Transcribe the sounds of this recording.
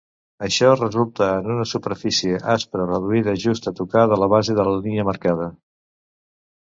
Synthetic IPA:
əʃɔrəzulˠt̪əːnunəsupəɾfisieʔaspɾərəðuiðəʒust̪ət̪ukaðələβazeðələliɲəməɾkað̞ə

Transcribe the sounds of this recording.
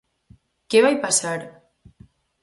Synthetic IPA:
keβajpasaɾ

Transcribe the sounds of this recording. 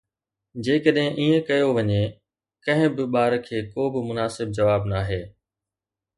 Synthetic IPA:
d͡ʑeːkəɗɦɪ̃ʔiːẽkɐjoʋɐɲẽ | kɐ̃ɦɪ̃bɪɓaːɾkʰeːkoːbɪmʊnaːsɪb̚d͡ʑɐʋaːbnaːɦeː

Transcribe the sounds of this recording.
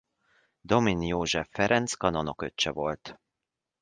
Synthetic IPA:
d̪o̞minjoːʒɛfːɛɾɛnt̪skɒnonokøt͡ʃːɛvo̞lt̪

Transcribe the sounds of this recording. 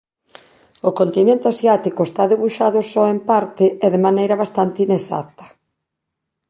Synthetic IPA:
ʊkont̪inẽnt̪easjat̪ikoʊest̪aðeβuʃaðʊsɔempaɾt̪ɪɛðemanejɾɐβast̪ant̪ɪinesa̰t̪ɐ̥

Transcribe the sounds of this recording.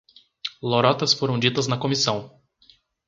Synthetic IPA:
loɾɔt̪ɐsfoɾɐ̃w̃d͡ʒit̪ɐznɐkomisɐ̃w̃

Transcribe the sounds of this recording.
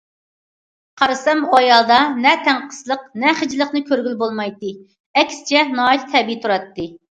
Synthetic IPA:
qʰɑɾɨsɛmojɑːd̪ɑnɛt̪ʰæŋqʰə̥slˠəqnɛχəd͡ʒlˠəqnɨkʲʰøɾɡʲylbolˠmɑjt̪ɨ | ɛkʲsɪ̥t͡ʃʰɛnɑːit̪t̪ʰɛbit̪ʰuɾɑt̪ːɨ

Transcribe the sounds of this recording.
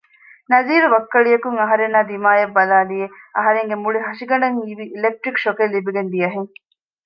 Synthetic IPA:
nɐziːɾuʋɐkːɐɭijɐkuŋɐɦɐɾenːaːd̪imaːjɐbːɐlaːlieɐɦɐɾeŋɡemuɭiɦɐʃiɡɐɳɖɐŋiːʋiʔːlek̚ʈɾikʃokelːibiɡend̪ijɐɦeŋ

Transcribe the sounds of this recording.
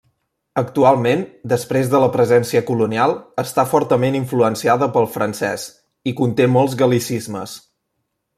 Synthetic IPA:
ək̚t̪ualˠmend̪əspɾezðələpɾəzɛnsiəkulunialˠəst̪afɔɾt̪əmeniɱfluənsiaðəpəlˠfɾənsɛs | ikunt̪emɔlˠzɣəlisizməs

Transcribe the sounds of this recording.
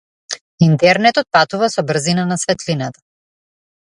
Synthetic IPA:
int̪ɛɾnɛt̪ɔt̪̚pat̪uvasɔbr̩zinanasvɛt̪linat̪ḁ

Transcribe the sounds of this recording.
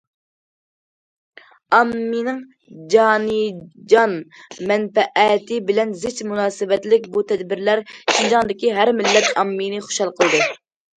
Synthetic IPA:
ɑmːinɪŋ | d͡ʒɑːnɨd͡ʒɑnmɛnpɛʔɛt̪ʰɪbɪlɛnzɪt͡ʃmunɑːsɨbɛt̪lɪk̚ʲbut̪ʰɛd̪bɪɾlæɾʃind͡ʒɑŋd̪ɪkʲiɦæɾmɪlːɛt̪ɑmːinɨχʊ̥ʃɑlˠqʰəlˠd̪ɨ

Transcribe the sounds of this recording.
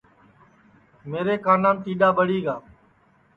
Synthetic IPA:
meːɾeːkaːnãːmt̪iːɗaːɓəɽiːɡaː

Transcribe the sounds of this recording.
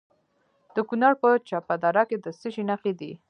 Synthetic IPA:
d̪̥əkunɑɽpət͡ʃɑpad̪ɑɾɑked̪əsiʃinaqid̪ḭ

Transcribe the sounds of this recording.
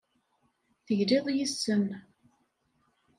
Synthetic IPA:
θəʝliðˤjəsːən

